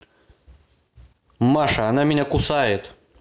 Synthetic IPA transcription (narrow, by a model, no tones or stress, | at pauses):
maʂɐːnamʲɪnʲakusajɪt̪